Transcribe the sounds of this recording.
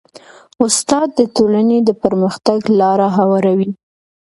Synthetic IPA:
ʊst̪ɑd̪̚ːətolaned̪əpəɾməxt̪aɡlɑɾaɦawɑɾawi

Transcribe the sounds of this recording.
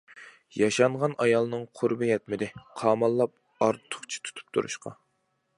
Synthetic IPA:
jɑʃɑɴʁɑnʔɑjɑlˠɨnɨŋqʰʊɾbɨjɛt̪̚mɪd̪ɪqʰɑːmɑlˠːɑp̚ | ɑɾt̪ʰːʊ̥χt͡ʃʰi̥t̪ʰu̥t̪ʰu̥p̚t̪ʰṵɾṵʃqɑ̰

